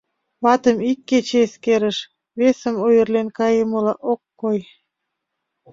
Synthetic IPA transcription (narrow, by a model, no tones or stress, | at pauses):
βɑt̪əmikːet͡ɕeskeɾəʃ | βesəmojərlenkɑjəməlɑʔokːoj